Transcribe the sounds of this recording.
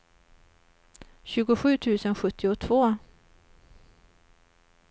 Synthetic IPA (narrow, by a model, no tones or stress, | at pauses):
ɕʉ̟ːɡʊɧʉ̟ːt̪ʰʉ̟ːsənɧɵt̪ːɪʊt̪ʰvoː